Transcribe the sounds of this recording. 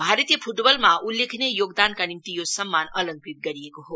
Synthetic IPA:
bʱaɾət̪ijəpʰuʈbəlmaulːekʰnejoɡd̪ankanimt̪ijosəmːanʌləŋkit̪̚ɡʌɾijekoɦo

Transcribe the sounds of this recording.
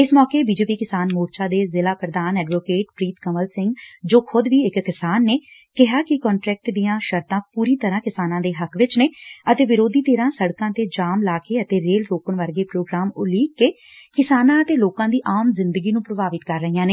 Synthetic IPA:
ɪsmɔːkeːbiːd͡ʒeːpiːkɪsaːnmoːɾt͡ʃaːd̪eːzɪlaːpɾəd̪aːnɛːɖʋoːkeːʈpɾiːt̪kəməlsɪ̃ŋɡd͡ʒoːkʰʊd̪ʋiːɪkːɪsaːnːeːkɪɦaːkɪkɔːɳʈɾɛːk̚ʈd̪ijãːʃəɾt̪ãːpuːɾiːt̪əɾãːkɪsaːnãːd̪eːɦəkʰʋɪt͡ʃneːət̪eːʋɪɾoːd̪iːt̪eːɾãːsəɽkãːt̪eːd͡ʒaːmlaːkeːət̪eːɾeːlɾoːkəɳʋəɾɡeːpɾoːɡɾaːmʊliːkːeː | kɪsaːnãːət̪eːloːkãːd̪iːʔaːmzɪnd̪əɡiːnũːpɾəbaːʋɪt̪kəɾːəɦijãːneː

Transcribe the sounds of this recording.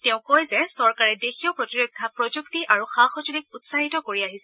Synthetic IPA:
tɛʊ̃kojzɛsɔɹkaɹɛdexijopɹotiɹokʰːapɹɔd͡ʒuktiʔaɹuxaxɔt͡ʃulik̚utsaɦitɔkoɹiaɦisɛ

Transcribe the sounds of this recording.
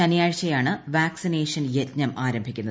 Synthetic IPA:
ɐnɐjaːɻt͡ɕːɐjaːɳɨʋaːksineːʂɐnjetɲɐmʔaːɾɐmbʱikʲːunːɐð

